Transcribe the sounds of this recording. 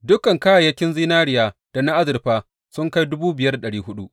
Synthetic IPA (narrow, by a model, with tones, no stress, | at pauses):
dʊ˦kɐ˨ŋkaː˦ja˨jɐ˦kʲɪ˦nziː˦naː˦ɾɪ˦jaː˨d̥a˨na˦ʔa˦zɪ˨rɸaː˦ | sʊ˦ŋka˦jdʊ˦buː˦bɪ˨jɐ˦rɗɐ˨ɽiː˦ɦʊ˦ɗu˦ʔ